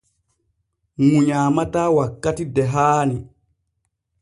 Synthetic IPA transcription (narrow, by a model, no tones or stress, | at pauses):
muɲaːmataːwakːatidɛɦaːni